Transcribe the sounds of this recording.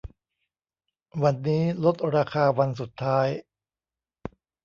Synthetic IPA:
wa˧nːiː˦˥lo˦˥t̪̚ɾaː˧kʰaː˧wa˧ns̬u˨˩t̪ʰːaː˦˥j

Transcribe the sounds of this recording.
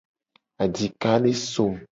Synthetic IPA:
a˨d͡ʒi˨ka˦ne˦so˦˨m

